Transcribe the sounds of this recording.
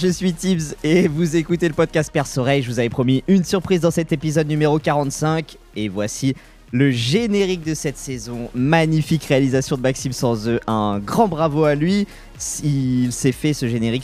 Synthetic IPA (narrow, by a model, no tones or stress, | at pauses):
ʒəsɥit̪ibzevuzekut̪eləpɔd̪̚kast̪̚pɛʁsɔʁɛjʒəvuzavɛpχɔmiynsyʁpχizd̪ɑ̃sɛt̪epizɔd̪̚nymeʁokaʁɑ̃t̪sɛ̃k | evwasi | ləʒeneʁik̚d̪əsɛt̪sezɔ̃maɲifikʁealizasjɔ̃d̪əmaksimsɑ̃zøʔɛ̃ɡʁɑ̃bʁavoalɥi | silsɛfɛsəʒeneʁik